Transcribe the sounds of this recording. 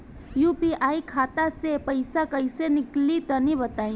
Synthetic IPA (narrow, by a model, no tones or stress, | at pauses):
juːpiʔaːikʰaːt̪asepɐɪsakɐɪsenɪklit̪ɐnĩbɐt̪aːĩː